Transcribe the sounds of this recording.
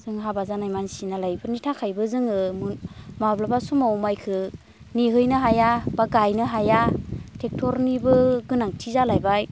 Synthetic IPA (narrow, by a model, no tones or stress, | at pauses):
z̥ɯŋɦabazanajmansinalajbɯnitʰakʰajbɯzɯŋɯmmablabasumawmajkʰɯ | niɦɯjnɯɦajabaɡajnɯɦajatʰek̚tʰɔɾnibɯɡɯnaŋtʰizalajbaj